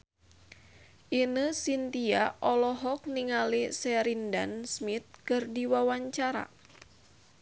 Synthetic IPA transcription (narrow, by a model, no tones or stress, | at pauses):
ʔinəsint̪iaʔɔlɔɦɔk̚niŋalisɛɾindansmit̪̚kɨrdiwawaɲt͡ʃaɾa̰